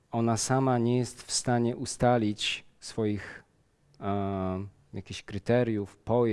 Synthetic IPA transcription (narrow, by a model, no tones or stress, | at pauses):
ɔnasamaɲɛjɛst̪fst̪aɲɛʔust̪alʲit͡ɕsfɔjix | jakʲiɕkɾɘt̪ɛɾʲjufpɔj